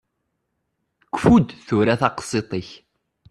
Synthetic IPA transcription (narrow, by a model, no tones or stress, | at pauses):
kʷːfud̪θuɾaθɑqsˤet̪ˤəç